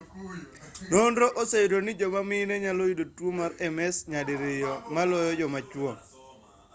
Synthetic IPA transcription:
nondɾoʔosedonɪd͡ʒɔmamɪnɛɲalojidotwomaɾɛmɛsɲadɪɾɪjɔmalɔjɔd͡ʒɔmat͡ʃwɔŋ

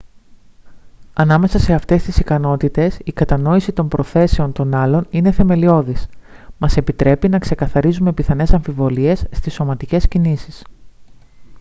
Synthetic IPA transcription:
ɐnɐme̞sɐse̞ɐft̪e̞st̪isikɐno̞t̪it̪e̞sikɐt̪ɐno̞isit̪o̞mpɾo̞θe̞se̞o̞nt̪o̞nɐlo̞nine̞θe̞me̞lio̞ðismɐse̞pit̪ɾe̞pinɐkse̞kɐθɐɾizume̞piθɐne̞sɐɱfivo̞liesːt̪iso̞mɐt̪ice̞scinisis

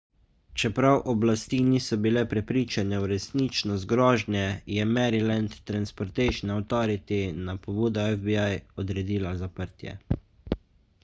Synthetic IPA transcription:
t͡ʃɛpɾawʔɔblast̪iːniːsɔbilɛpɾɛpɾiːt͡ʃanɛwɾɛsniːt͡ʃnɔst̪̚ɡɾɔːʒnjɛjɛmɛɾilant̪ːɾanspɔɾt̪ɛjʃnawt̪ɔːɾit̪inapɔbuːd̪ɔɛfbiajɔd̪ɾɛd̪iːlazapəɾt̪jɛ̰

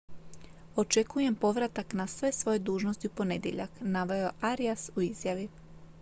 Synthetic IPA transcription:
o̞t͡ʃe̞kuje̞mpo̞ʋɾat̪aknasʋe̞sʋo̞je̞d̪uːʒnost̪iupo̞ned̪jḛʎa̰knaʋojoʔaɾiasuizjaʋi

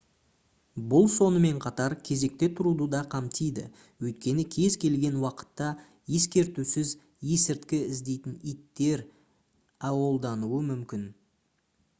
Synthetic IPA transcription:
bʊlˠso̞nəme̞ɴqʰɑt̪ɑɾkʲʰe̞ze̞k̚t̪e̞t̪ʰʊɾud̪əd̪ɑqʰɑmt̪ʰijd̪ɪ̰ | wɵjt̪̚kʲe̞nɪkʲʰe̞zkʲʰe̞lɡʲe̞nwɑqə̥t̪ːɑ | je̞skʲe̞ɾt̪usɪz | je̞sɪɾt̪kʲɪɪzd̪e̞jt̪ɪnijt̪ːe̞ɾ | ɑwo̞lˠd̪ɑnuwəmʏmkʲɪn

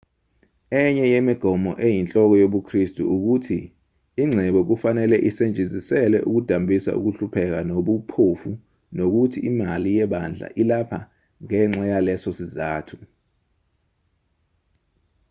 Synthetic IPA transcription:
ɛɲɛjemiɡ̥ʱɔmɔ̰ʔejint͡ɬʼɔk̬ɔjoɓukʰristʼṵuk̬utʰiː | ŋ͡ǀʱɛɓɔk̬ufanɛlɛʔisend͡ʒʱizisɛlɛʔuk̬ud̥ʱambʱisa̰ʔṵk̬uɬupʰɛk̬anoɓupʰofu | nok̬utʰiʔimalijɛɓand͡ɮʱa̰ʔilapʰa | ŋɛŋ͡ǁajalɛsɔsizaːtʰu̥

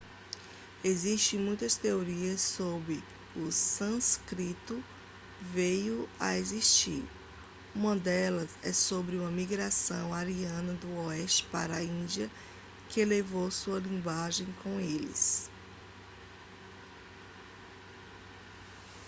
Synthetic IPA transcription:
eziʃt̪ẽj̃mũj̃t̪ɐst̪eoɾiɐsːobɾɪ | ʊsɐ̃skɾit̪ʊ | vejʊa̰eziʃt͡ʃḭɾ | ũmɐd̪ɛlɐzɛ̰sobɾɪũmɐmiɡɾasɐ̰̃w̃aɾiɐ̃nɐd̪ʊɔɛʃt͡ʃɪ̥pa̰ɾɐaĩd͡ʒiɐ | kɪlevowsuɐlĩɡwaʒẽj̃kõw̃elɪ̰s

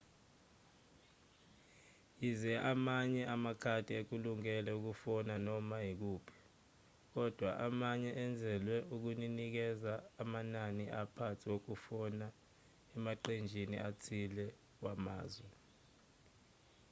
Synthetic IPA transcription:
jizɛʔamaɲɛʔamakʰatʼiek̬uluŋɛlɛuk̬ufɔnanɔmajik̬uːpʰi̥ | k̬ɔd̥ʱwaʔamaɲɛʔɛnd͡zʱɛlwɛuk̬uninik̬ɛzaːmananiʔapʰat͡sʰik̬ok̬ufɔna | ɛmaǃend͡ʒʱinḭʔat͡sʰilɛ | wama̰ːzwɛ

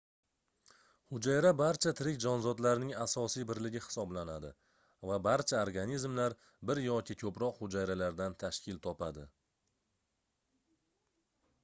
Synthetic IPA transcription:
hʊd͡ʒajɾabaɾt͡ʃʰat̪ʰɪɾɪkʲd͡ʒɒnzɒd̪laɾɪnɪŋasɒsijbɪɾlɪɡʲɪhɪ̥sɒblanad̪ɪ | vabaɾt͡ʃʰaoɾɡanizmlaɾ | bɪɾjɒkʲʰɪkʲʰɵpɾɒqhʊd͡ʒajɾalaɾd̪ant̪ʰaʃkʲɪlt̪ʰɒpad̪ɪ

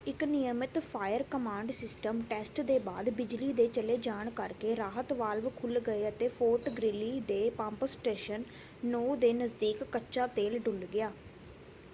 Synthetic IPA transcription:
ɪknɪjəmɪt̪pʰaːjəɾkəmãːɳɖsɪsʈəmʈɛːsʈd̪eːba̰ːd̪bɪd͡ʒliːd̪eːt͡ʃəleːd͡ʒaːɳkəɾkeːɾaːɦət̪ʋaːlʋkʰʊlɡəeːət̪eːpʰoːɾʈɡɾɪliːd̪eːpãːmpəsʈeːʃənː | oːd̪eːnəzd̪iːkːətːʃaːt̪eːlɖʊlɖɡɪjaː

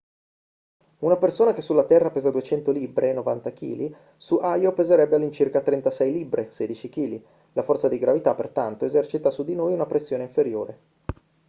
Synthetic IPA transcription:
unapersoːnakesːulːat̪ɛrːapeːzad̪uet͡ʃɛnt̪oliːbɾenːovant̪ak̟ḭːli | suʔajopezeɾɛbːealːint͡ʃirkat̪ɾɛnt̪asɛjlibɾeseːd̪it͡ʃik̟iːli | lafɔrt̪sad̪iɡɾavit̪apːert̪ant̪oezɛrt͡ʃit̪asud̪inoːjunapɾesːjoːneiɱfeɾjoːɾe

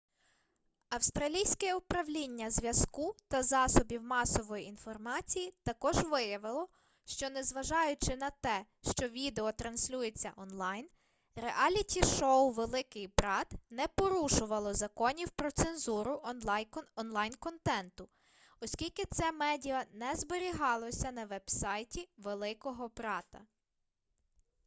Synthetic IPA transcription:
ɐwst̪ɾɐlʲijsʲkɛʊpɾɐʋlʲinʲːɐzʲʋʲjɐskut̪ɐzɑsɔbʲiwmɑsɔʋɔjiinfɔrmɑt͡sʲijit̪ɐkɔʒʋɪjɐʋɪlˠɔ | ʃt͡ʃɔnɛzʋɐʒɑjʊt͡ʃɪnɐt̪ɛ | ʃt͡ʃɔʋʲid̪eɔt̪ɾɐnsʲlʲujet͡sʲːɐ̰ʔɔnlˠɑjn | ɾeʔɑlʲitʲiʃɔwʋelˠɪkɪjbɾɑt̪nɛpɔɾuʃʊʋɐlˠɔzɐkɔnʲiwpɾɔt̪senzuɾʊʔnlˠɑjɔnlˠɑjnkɔnt̪ɛnt̪ʊ | ɔsʲkʲilʲkɪt̪sɛmɛdʲiɐnɛzbeɾʲiɦɑlˠɔsʲɐnɐʋɛb̥sɑjtʲiʋelˠɪkɔɦɔbɾɑt̪ɐ

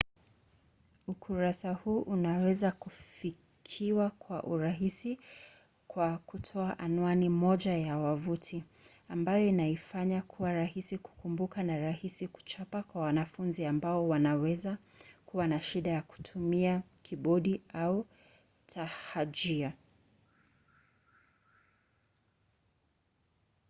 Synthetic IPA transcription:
ukʰuɾasahuːʔunawɛzakufi | kʰiwakwaʔuɾaɦisi | kwakutʰɔaʔanuanimɔʄajawavutʰi | ambajɔinaifaɲakʰuwaɾahisiku̥kumbukanaɾahisiku̥t͡ʃapakwawanafunziambaɔwanawɛza | kuwanaʃiɗajaku̥tʰumia | kʰiɓɔɗiau | tʰahad͡ʒia

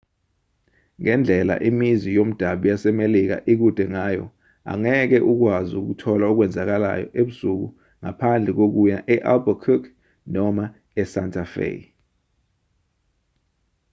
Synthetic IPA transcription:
ŋɛnd͡ɮʱɛla̰ʔimizijom̩d̥ʱaɓijasɛmelik̬a̰ʔik̬ud̥ʱɛŋaːjɔ̰ | a̰ŋɛk̬ɛʔuk̬wazuk̬utʰɔlauk̬wɛnd͡zʱak̬ala̰jɔ̰ʔeɓusuk̬ṵ | ŋapʰand͡ɮʱɛk̬ok̬ujaʔɛʔalbakʰuk | nɔma | ɛsantʰʼafḛ

